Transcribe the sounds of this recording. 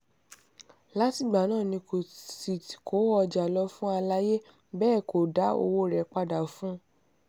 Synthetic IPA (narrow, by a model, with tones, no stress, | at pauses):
la˦ti˦˨ɡ͡ba˨nãː˦˨nĩ˧ko˨si˨ti˨kʰo˨˦ɔ˧d͡ʒa˨lɔ˧˦fũ˦a˧la˦je˦ | bɛː˦˨ko˨da˨˦o̰˧wo˦ɾɛ˨k͡pa˧da˨fũ˦